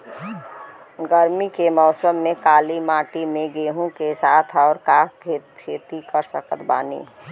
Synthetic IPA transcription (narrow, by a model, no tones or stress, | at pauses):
ɡəɾmikemɔʊsəmːẽkaːlimaːʈimẽɡeːɦũkesaːt̪ʰɔːɾkakʰekʰeːt̪ikəɾsəkət̪ba̰ːnḭː